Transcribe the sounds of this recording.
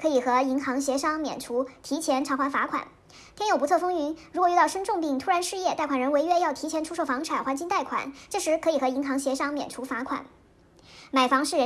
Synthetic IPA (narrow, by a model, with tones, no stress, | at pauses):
kʰɤ˧˥i˨˩xɤ˧˥i˧˥ŋxɑ˧˥ŋɕjɛ˧˥ʂɑ˥ŋmjɛ̰˨˩nʈ͡ʂʰu˧˥t̪ʰi˧˥t͡ɕʰjɛ˧˥nʈ͡ʂʰɑ˧˥xwa˧˥nfa˧˥kʰwa̰˨˩˦n | t̪ʰjɛ˥njo˨˩ʊpu˧˥t͡sʰfɤ˥ŋy˧˥nɻkwɔ˨˩y˥˧t̪ʊʂə˥nʈ͡ʂʊ˥˧ŋpi˥˩ŋt̪ʰu˥ɻa˧˥nʂɻ̩˥˧jɛ˥˧t̪a˥˩ɪkwa˨˩ɻə˧˥nwe˧˥ɪɥɛ˥jɑ˥˩ʊt̪ʰi˧˥t͡ɕʰjɛ˧˥nʈ͡ʂʰu˥ʂo˥˩ʊfɑ˧˥ŋʈ͡ʂʰa˨˩nxwa˧˥nt͡ɕi˥˧ŋt̪a˥˩ɪkʰwa̰˨˩˦nʈ͡ʂɤ˥˩ʂɻ̩˧˥kʰɤ˧˥i˨˩xɤ˧˥i˧˥ŋxɑ˧˥ŋɕjɛ˧˥ʂɑ˥ŋmjɛ̰˨˩nʈ͡ʂʰu˧˥fa˧˥kʰwa̰˨˩˦n | ma˨˩ɪfɑ˧˥ŋʂɻ̩˥˩ɻə˧˥